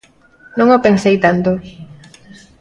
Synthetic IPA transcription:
nõŋopensejt̪ant̪o

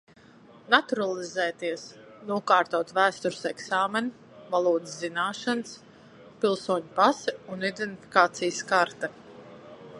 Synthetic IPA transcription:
nat̪uɾalˠizɛːt̪iɛs | nuɔkɑːɾt̪ɔɔt̪væːst̪uɾsɛksaːmɛn | valˠuːd̪zːinaːʃans | pilˠsuɔɲupasɛunid̪ɛnt̪ifʲi̥kaːt̪sijskaɾt̪ɛ

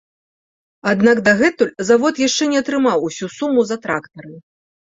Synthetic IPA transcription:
ad̪naɡd̪ɐɣɛt̪ulʲzavɔt̪jaʂt͡ʂɛnʲɛɐt̪ɾɨmawusʲusumːuzɐt̪ɾakt̪ɐɾɨ

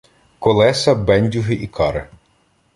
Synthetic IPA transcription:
kɔlˠɛsɐbɛnʲdʲuɦɪʔikʰɑɾɪ̰

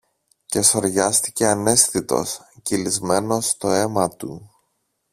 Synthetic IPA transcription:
ce̞so̞ɾʝɐst̪i̥ce̞ɐne̞sθit̪o̞̰scilizme̞no̞st̪o̞e̞mɐt̪ṵ

